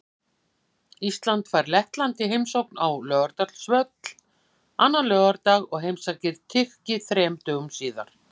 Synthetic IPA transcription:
ist̪lant̪faɾlɛht̪lant̪ɪɦejmsowknawlœːɣaɾt̪at̪l̥svœt̪l̥ | anːanlœːɣaɾt̪aːɣɔɣɦejmsacɪɾt̪ʰɪxcɪθɾɛːmt̪œːɣmsiːða̰ɾ̥

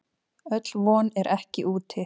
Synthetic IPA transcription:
œt̪lvɔːnɛɾʔɛhcɪʔuːt̪ʰɪ

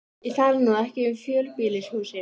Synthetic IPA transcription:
iθaɾɪnaðɛhcɪʏmfjœːlpiːlɪshuːsɪ

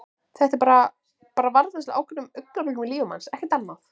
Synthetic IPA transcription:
θɛht̪ɛɾpaːɾa | paːɾavaɾðɛsʔa̰ːwkʰvanʏmʏknalʏmɪliːʏma̰nsɛhcɪt̪anːaθ

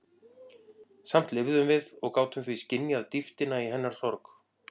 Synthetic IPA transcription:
sam̥t̪lɪvðʏmvɪðɔɣkaːwt̪ʏmθviscɪnjaðt̪ift̪ɪnaiɦɛnːaɾ̥θɔɾk

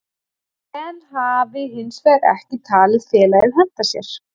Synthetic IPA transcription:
ɛnɦaːvɪɦɪnsvɛɾɛ̰hcɪt̪ʰaːlɪðfɛːlaɪhɛn̥t̪asjɛ̰ɾ̥

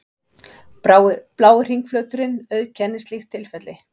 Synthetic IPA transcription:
plaːwɪr̥iŋkflœɥt̪ʏɾɪnœɥðcʰɛnːɪst̪lixt̪ʰɪlfɛt̪lɪ

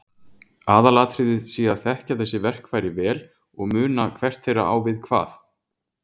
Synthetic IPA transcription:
aːðalaːt̪ʰɾiðɪðsiːaðθɛhcaθɛsːɪvɛr̥kʰvaːjɾɪvɛːl | ɔɣmʏːnakʰvɛr̥t̪θejɾa̰ʔa̰ːwvɪðkʰva̰ːθ

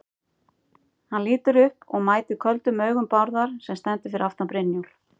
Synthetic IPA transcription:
hanliːt̪ʏɾʏhpɔɣmaːjt̪ɪ̥kʰœlt̪ʏmœːɥɣʏmpawɾðaɾ̥sɛmst̪ɛnt̪ɪ̥fɪɾɪɾaft̪apɾɪnːjul̥

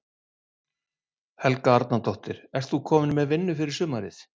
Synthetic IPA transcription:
hɛlkaaɾt̪nat̪ɔht̪ɪɾ̥ɛr̥t̪θukʰɔːmɪnmɛðvɪnːʏfɪɾɪɾ̥sʏːmaɾɪθ

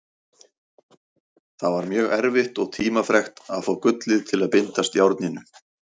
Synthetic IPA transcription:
θaðvaɾmjœːɣɛɾvɪht̪ɔɣt̪ʰiːmafɾɛxt̪aðfoːwkʏt̪lɪðt̪ʰɪlaðpɪnt̪ast̪jawɾt̪nɪnʏ

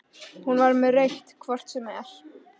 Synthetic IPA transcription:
hunvaɾmɛðrejht̪kʰvɔr̥t̪sɛmɛɾ̥

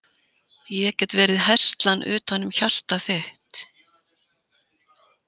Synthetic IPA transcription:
jɛɛcɛt̪vɛːɾɪðɦɛr̥st̪lanʔʏ̰ːt̪hanːʏmçal̥t̪aθɪht̪

